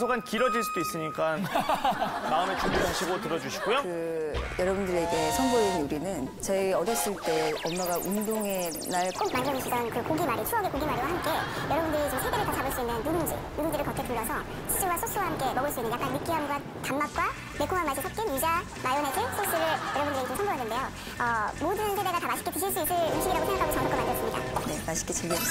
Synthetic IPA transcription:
sʰoɡankiɾʌd͡ʑiɭs͈ud̥ois͈ɯɲik͈an | maɯme̞t͡ɕuɡiɦaɕʰiɡotɯɾʌd͡ʑuɕʰiɡojokɯjʌɾʌbundɯɾe̞iɡe̞sʰʌŋboinuɾinɯnt͡ɕeʌdʌs͈ɯɭt͈e̞ʌmːaɡaʔundoŋe̞ | naɭk͈ok̚manɡʌmiɕʰidʌnkɯkoɡimaɾit͡ɕʰuʌɡekoɡimaɾiwaɦamk͈e̞jʌɾʌbundɯɾit͡ɕomsʰede̞ɾɯɭtat͡ɕabɯɭs͈uinːɯnjuɾuŋd͡ʑḭjudɯnd͡ʑiɾɯɭkʌk͈ʰepuɭːʌsʰʌ | ɕʰi̥s͈ɯwasʰos͈ɯwahamk͈e̞mʌɡɯɭs͈uinːnkeak͈anmik͈iɦamɡwa | tamːak̚k͈wa | mek͈ʰumamːaɭɕ͈ʰisʰʌp̚k͈inid͡ʑa | majonekʰesʰos͈ɯɾɯɭjʌɾʌbundɾeɡit͡ɕomsʰʌmbojanːɯnde̞jo | ʌmodɯnsʰede̞ɡatamaɕʰi̥k͈ekiɕʰiɭs͈uis͈ɯɭuŋɕʰiɡiɾaɡosʰeŋɡakʰaɡot͡ɕʌŋk͈ʰʌk͈omand͡ʑjʌs͈ɯmɲida̰ne̞maɕʰi̥k͈et͡ɕiɭɡe

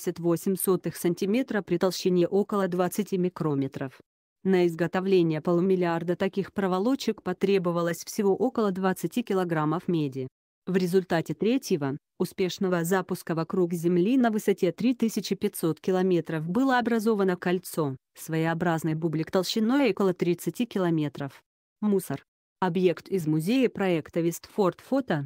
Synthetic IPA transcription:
ɪsʲət̪vosʲɪmʲso̞t̪ɨxsənʲtʲɪmʲe̞t̪ɾəpɾʲɪt̪ɐlˠɕɪnʲeʔo̞kəlˠəd̪vat̪sɨtʲimʲɪkɾo̞mʲɪt̪ɾəf | nəɪzɡət̪ɐvlʲenʲɪjəpəlˠʊmʲɪlʲɪard̪ət̪ɐkʲixpɾəvɐlˠo̞t͡ɕːɪkpɐt̪ɾʲe̞bɨvəlˠəsʲfsʲɪvo̞ʔo̞kəlˠəd̪vɐt̪sɨtʲikʲɪlˠɐɡɾaməfmʲedʲɪ | vɾʲɪzʊlʲt̪atʲɪt̪ɾʲetʲjɪvə | ʊspʲe̞ʂnəvəzapʊskəvɐkɾuɡzʲɪmlʲinəvɨsɐtʲe̞t̪ɾʲit̪ɨsʲɪt͡ɕɪpʲɪtʲso̞t̪kʲɪlˠɐmʲe̞t̪ɾəfbɨlˠəɐbɾɐzo̞vənəkɐlʲt̪so̞ | svəɪɐbɾaznəjəbublʲɪkt̪əlˠɕɪnːo̞jokəlˠət̪ɾʲit̪sɨtʲikʲɪlˠɐmʲe̞t̪ɾəf | musər | ɐbje̞kt̪ɪzmʊzʲejəpɾɐɛkt̪əvʲɪst̪fo̞rt̪fot̪ə

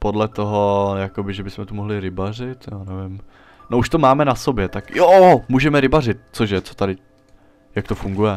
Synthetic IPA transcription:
podlɛt̪oɦo̞jakobɪʒɛbɪsmɛt̪umoɦlɪɾɪbar̝ɪt̪jaːnɛvɪm | nouʃt̪omaːmɛnaso̞bjɛt̪akjomuːʒɛmɛɾɪbarɪt̪̚t͡soʃjɛt͡so̥t̪adɪ | jak̚t̪ofuŋɡujɛ

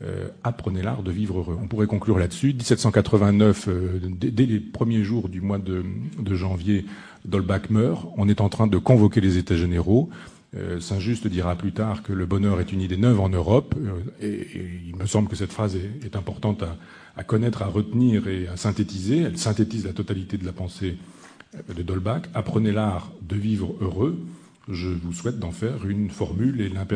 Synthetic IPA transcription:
ø̰apχənela̰ʁd̪əvivʁøʁøɔ̃puʁɛkɔ̃klyʁlad̪əsyd̪isɛt̪sɑ̃kat̪χəvɛ̃nœfød̪ɛd̪ɛlepχəmjeʒuʁd̪ymwad̪əd̪əʒɑ̃vje | d̪ɔlbakmœʁɔ̃nɛt̪ɑ̃t̪χɛ̃d̪əkɔ̃vɔkʲelezet̪aʒeneʁo | ø̰sɛ̃ʒyst̪d̪iʁaplyt̪aʁkələbɔnœʁɛt̪ynid̪enœvɑ̃nøʁɔpeilməsɑ̃bləkəsɛt̪fχazɛːt̪ɛ̃pɔʁt̪ɑ̃t̪aː | kɔnɛt̪χaʁət̪niːʁeasɛ̃t̪et̪izeɛlsɛ̃t̪et̪izlat̪ɔt̪alit̪ed̪əlapɑ̃se | d̪əd̪ɔlbakapχənelaʁd̪əvivʁøʁø | ʒəvuswɛt̪̚d̪ɑ̃fɛʁynfɔʁmylelɛ̃p

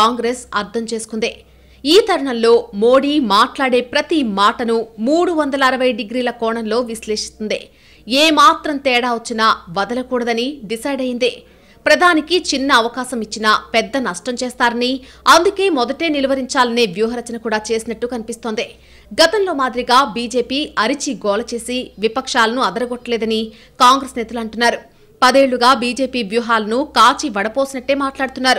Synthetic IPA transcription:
aːŋɡɾesɐɾt̪ʰɐmt͡ʃeːsu̥kund̪e | iːt̪ɐɾɐɳɐmlo̞ːmo̞ːɽiːmaːʈlaːɽe̞ːpɾɐt̪imaːʈɐnumuːɽuʋɐnd̪ɐlɐːɾɐʋɐjɖiɡɾiːlɐkɔːɳɐnlo̞ːʋisle̞ːʂi̥st̪und̪ḛ | eːmaːt̪ɾɐmt̪ɛːɽaːʋɐt͡ʃːinɐʋɐd̪ɐlɐkuːɽɐd̪ɐniɖisɐjɖɐjind̪ḛː | pɾɐd̪ʱaːnikit͡ʃinːɐːʋɐkaːsɐmit͡ʃːinɐpɛd̪ːɐnɐʂʈɐmt͡ʃeɛːst̪aːɾɐniɐnd̪uke̞ːmɔd̪ɐʈe̞ːnilɐʋɐɾiɲt͡ʃaːlɐneːʋjuːɦɐɾɐt͡ʃɐnɐkuːɽaːt͡ʃe̞ːsinɐʈːukɐnipist̪o̞ːnd̪i | ɡɐt̪ɐmlo̞ːmaːd̪iɾiɡaːbiːd͡ʒe̞ːpiːɐɾit͡ʃiɡɔːlɐt͡ʃe̞ːsiʋipɐkʂaːlɐnuɐd̪ɐɾɐɡɔʈːɐlɛːd̪ɐni | kaːŋɡɾesnɛːt̪ɐlɐɳʈunːaːɾu | pɐd̪eːɭːuɡaːbiːd͡ʒeːpiːʋjuːɦaːlɐnukaːt͡ʃiʋɐɽɐpo̞ːsinɐʈːe̞ːmaːʈlaːɽut̪unːaːɾu

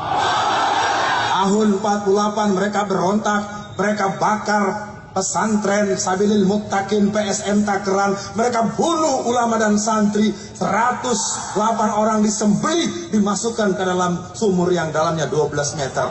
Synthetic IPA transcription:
t̪aɦʊnəmpat̪̚pulapanməɾekabəɾɔnt̪ak̚ | məɾekabakar | pəsant̪ɾɛnsabilɪlmʊk̚t̪akɪnpeɛsɛmt̪akəɾanməɾekabunʊhulamadansant̪ɾi | səɾat̪ʊs | lapanoɾaŋdisəmbəlidimasukankədalamsumʊrjaŋdalamɲaduabəlasmɛt̪ə̰r

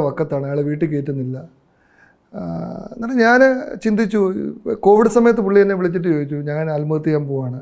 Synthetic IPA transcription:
ʋɐkːɐt̪ːaːɳɨaːɭeʋiːʈːɨke̞ːʈːunːilːɐ | naːɽeɲaːnt͡ɕind̪it͡ɕːuko̞ːʋiɽɨsɐmɐjɐt̪̬ːɨpuɭːiɐnːeʋiɭit͡ɕːiʈ̬ːɨjo̞ːɡit͡ɕːuɲɐŋːɐnɐlmut̪̬ːijaːmpoːaːɳɨ

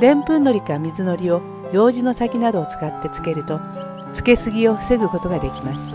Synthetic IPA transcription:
d̪ẽ̞mpɯ̟̃nːo̞ɾʲikamʲizɨno̞ɾʲio̞ | jo̞ːʑino̞sakʲinad̪o̞ːt͡sɨ̥kat̪ːe̞t͡sɨ̥ke̞ɾɯ̟t̪o̞ | t͡sɨ̥ke̞sɨɡʲioɸɯ̟̥seɡɯ̟ko̞t̪o̞ɡad̪e̞kʲimasɨ̥

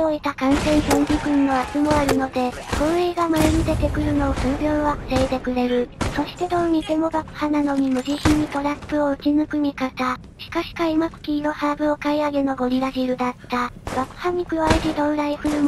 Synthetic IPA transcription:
oit̪akãɰ̃sẽ̞ɰ̃sõɲ̟bʲikɯ̟̃nːo̞at͡sɨmo̞aɾɯ̟no̞d̪e̞koɰeːɡamaeɲid̪e̞t̪e̞kɯ̟ɾɯ̟no̞ːsɨːɾʲjo̞ːβakɯ̟̥seːt̪e̞kɯ̟ɾe̞ɾɯ̟so̞ɕi̥t̪e̞d̪o̞ɲ̟it̪e̞mo̞bakɯ̟̥hanano̞ɲ̟imɯ̟ʑiçiɲ̟ːit̪o̞ɾapːɯ̟o̞ɯ̟t͡ɕinɯkɯ̟mʲikat̪a | ɕi̥kaɕi̥kaimakɯ̟̥kʲiːno̞haːbɯ̟o̞kaiaɡe̞no̞ɡo̞ɾʲiɾaʑiɾɯ̟d̪at̪ːabakɯ̟̥haɲ̟ikɯ̟βaiʑid̪õ̞ɰɾaiɸɯ̟ɾɯm

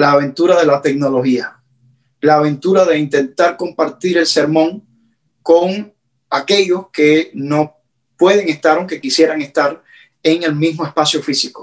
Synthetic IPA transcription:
laːβ̞e̞nt̪uɾaðe̞lat̪e̞k̚no̞lo̞hia | laːβ̞ẽ̞nt̪uɾaðe̞int̪e̞nt̪aɾko̞mpaɾt̪iɾe̞lse̞ɾmõ̞ŋ | ko̞ŋ | ake̞ʎo̞ske̞no̞ | pwe̞ðe̞ŋest̪aɾoŋke̞kisjeɾaŋest̪aɾ | eŋe̞lmismo̞e̞spasjo̞fisiko̥

